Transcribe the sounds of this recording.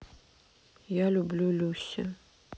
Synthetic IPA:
jalʲublʲulʲusʲɐ

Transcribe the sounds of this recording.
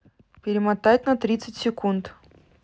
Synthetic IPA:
pʲɪɾʲɪmat̪ajt̪ʲnɐt̪ɾʲit̪sɨtʲsʲɪkunt̪

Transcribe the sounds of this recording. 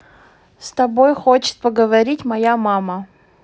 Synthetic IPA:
st̪ɐbo̞jxot͡ɕɪ̥t̪̚pəɡəvɐɾʲitʲmɐjamamə

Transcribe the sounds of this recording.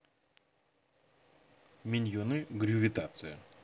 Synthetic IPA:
mʲɪnʲjonɨɡɾʲuvʲit̪at̪sɨjə̰

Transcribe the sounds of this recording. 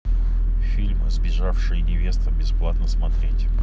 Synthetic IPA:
fʲilʲmzbʲɪʐafʂɨjnʲɪvʲe̞st̪əbʲɪsplˠat̪nəsmɐt̪ɾʲetʲ

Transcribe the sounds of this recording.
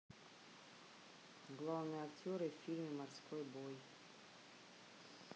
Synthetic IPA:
ɡlˠɑwnɨɐktʲɔɾɨfʲilʲmʲimɐrsʲkʰɔjbɔj

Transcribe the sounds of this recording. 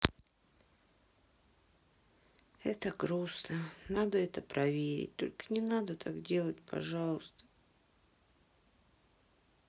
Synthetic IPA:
ɛt̪əɡɾusnənad̪əɛt̪əpɾʔɐvʲeɾʲɪ̰t̚ʲt̪o̰lʲkə̥nʲɪnad̪ət̪ʰakdʲe̞lˠətʲpʰɐ̰ʐalˠʊst̪ə̥

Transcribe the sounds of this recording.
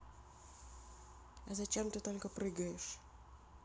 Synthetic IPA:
ɐzɐt͡ɕemt̪ɨt̪olʲkəpɾɨɡɐjɪʂ

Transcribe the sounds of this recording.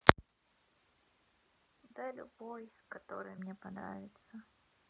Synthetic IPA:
d̪əlʲʊ̰bojkɐt̪o̞̰ɾɨ̰jəmnʲepɐnɾa̰vʲɪt̪sə

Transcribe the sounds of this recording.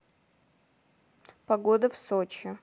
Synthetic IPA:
paɡod̪ɐfsot͡ʃʰɪ

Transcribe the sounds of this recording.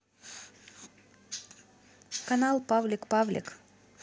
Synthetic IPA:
kɐnalˠpavlʲɪkpavlʲɪ̰k

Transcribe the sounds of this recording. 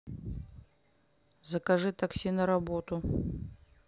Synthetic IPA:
zɐkɐʐɨt̪ɐksʲinɐɾabot̪ʊ

